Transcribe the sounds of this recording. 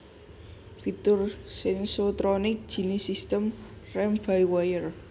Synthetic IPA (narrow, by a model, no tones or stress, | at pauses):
fit̪ʊrsɛŋsot̪ɾɔnɪk̚d̥ʒ̥i̤nisist̪əmrɛmfajwajər